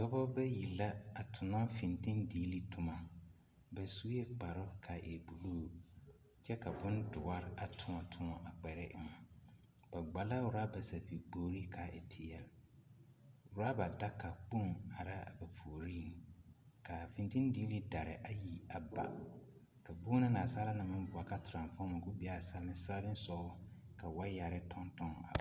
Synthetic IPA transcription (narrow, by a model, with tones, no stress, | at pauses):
dɔ˦bɔ˦bɛ˦ji˨la˦a˨tʰʊ˨na˦fi˨ntĩ˦ndiː˦li˦tʰʊ˨ma˨ | ba˨su˦jɛ˦k͡pa˨ɾɔ˦kʰa˨ʔɛ˨bu˨lu˦˨ | t͡ʃɛ˦ka˨bʊ˦ndʊ˨a˦ɾɪ˦a˨tʰʊ˦ɔ˨tʰʊ˦ɔ˨ʔa˨k͡pɛ˨ɾɛ˦ʔɪ˦ŋa˨ | b̥a˨ɡ͡ba˨la˦wʊ˨ɾa˦ba˨sa˨pi˨boː˨˦ɾi˦kʰa˨ʔɛ̰˨tʰɪ˨jɛ˨l | ʊ˨ɾa˦ba˨da˦ka˨k͡pu˦˨ŋa˨ɾa˦a˨ba˨pʰu˨ɾi˦˨ | ka˨fĩ˨nti˦n˦diː˦li˦da˨ɾɪ̰˨ʔa˦ji˨a˨ba̰˨ | ka˨bu˦na˦na˨saː˦la˦na˨mɪ̃˦n˦bʊ˨a˨ka˦tʊ˨ɾã˨nfɔ˦ma˨ɡu˦bi˨˦a˦˨sa˦mɪ˦sa˦lɪ˦n˦sɔ˦ | ka˨wa˦ja˨ɾɪ˦tʰɔ˦ntɔ˦ŋ˨a̰˨